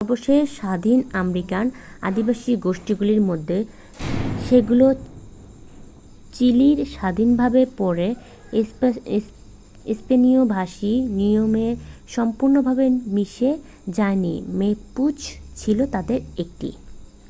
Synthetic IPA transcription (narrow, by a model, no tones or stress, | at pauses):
ɔɾboʃeʃad̪ʱinamɾikan | a̰d̪ibaʃiɡoʃʈiɡuliɾmod̪ʱːe | ʃeɡulo | t͡ɕiliɾʃad̪ʱinbʱabepɔɾe | ispeniobʱaʃiniomeʃɔmpuɾnobʱabemiʃe | d͡ʑajnḭmeput͡ɕʰt͡ɕʰilot̪ad̪eɾek̚ʈḭ